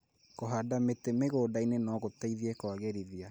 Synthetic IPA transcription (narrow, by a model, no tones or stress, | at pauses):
koɦadametemeɣoːdainenɔɣotaiðiɛkɔaɣɛɾiðia